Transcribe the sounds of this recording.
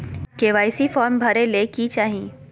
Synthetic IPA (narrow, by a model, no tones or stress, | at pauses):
keːʋaːɪsifɔːɾmbʱɐɾelekit͡ʃaːɦĩː